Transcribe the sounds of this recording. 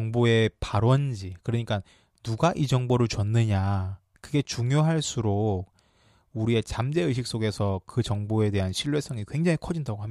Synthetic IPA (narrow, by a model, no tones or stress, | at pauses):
ʌŋboe̞paɾwʌnd͡ʑikɯɾʌɲik͈anː | uɡaʔid͡ʑʌŋboɾɯɭt͡ɕʌnːɯɲa | kɯɡe̞t͡ɕuŋjoɦaɭs͈ʰuɾok̚ | uɾie̞t͡ɕamd͡ʑe̞ɯɕ̬ʰik̚s͈oɡe̞sʰʌkɯt͡ɕʌŋboe̞de̞ɦanɕʰiɭwe̞sʰʌŋikwe̞ŋd͡ʑaŋikʰʌd͡ʑindaɡoɦami